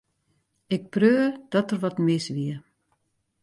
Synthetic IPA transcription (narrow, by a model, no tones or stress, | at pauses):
ɪk̚prøːəd̥ɔtərʋɔtmɪsʋiə